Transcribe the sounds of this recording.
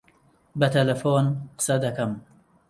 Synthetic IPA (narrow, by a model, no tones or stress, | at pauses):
bɐt̪ʰɐlɐfoːnqɨ̥sɐd̪ɐkɐm